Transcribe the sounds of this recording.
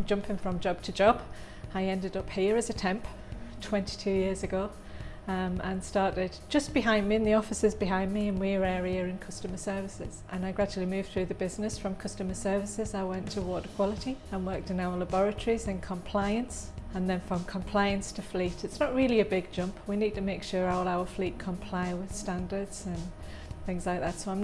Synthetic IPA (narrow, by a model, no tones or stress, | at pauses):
md͡ʒʌ̃mpɪ̃ŋfɹə̃md͡ʒɒb̥̚tʰəd͡ʒɒb̥ | aɪɛ̃ndɪdʌphiəɹəzətʰɛ̃mp | tʰw̥ɛ̃nti̥tʰʉjɪəɹzɨɡoʊ | mə̃nstɑɹɾɪd̚d͡ʒʌsb̥ɪɦãɪ̃ndmiɨ̃nðiɔfɪsəzbɪɦãɪ̃ndmiə̃nwiəɹɛɹiəɹɪ̃nkʰʌstəmə˞sɜ˞vɪsɪz̥ʔə̃naɪɡɹad͡ʒl̩ˠimʉːv̥θɹʉðəbɪznɪsfɹə̃mkʰʌstəməsɜ˞vɪsɪzaɪwɛ̃ntʰəwɔɾəkʰw̥ɒlˠɪtiə̃nwɜ˞k̚tɨ̃naʊə˞labɔɹɨtʰəɹizɨ̃nkʰə̃mpʰl̥aɪɨ̃nsə̃nðɨ̃nfɹə̃mkʰə̃mpʰl̥aɪɨ̃nstʰəflitɨtsnəʔ̚ɹɪlˠiɨbɪɡ̚d͡ʒʌ̃mpʰwinid̚tʰɨmeɪkʃʊɹalˠaʊə˞fliʔ̚kʰə̃mpʰl̥aɪwɪð̥stãndə˞dz̥ə̃n | θɪ̃ŋzlaɪk̚ðatsoʊãm